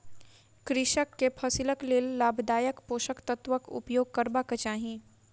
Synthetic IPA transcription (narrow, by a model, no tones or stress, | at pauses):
kɾɪʃəkːepʰɐsɪləkleːlːaːbʱd̪aːjəkpoːʃəkt̪ɐt̪ʋəkʊ̰pjoːɡ̚kəɾbakət͡ʃaːɦĩː